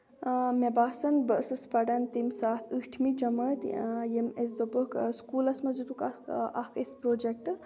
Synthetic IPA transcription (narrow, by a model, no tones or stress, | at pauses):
mebaːsɐnbəsɨspɐɖɐnt̪imsaːt̪ʰɨʂʈʰmid͡ʒɐmɐt̪jemes̬d̪obəkskuːlɐsmɐd͡ʒut̪ukɐɐ̰kʰespɾoːd͡ʒek̚ʈɨ